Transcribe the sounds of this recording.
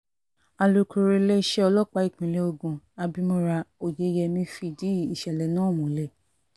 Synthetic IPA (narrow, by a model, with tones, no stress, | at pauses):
a˨lo˧kʰu˧˨ɾe˧le˦i˧ʃɛ˦ɔ˧lɔ˦˨k͡pa˧˦i˦˨k͡pĩ˨le˧o˧ɡũ˧a˧bi˧mo˧ɾa˧o˨je˨˧˦jɛ˧mĩ˧˦fi˧˨di˦˨i˨ʃɛ˨lɛ˨nã˦˨mũ˨˦lɛ˨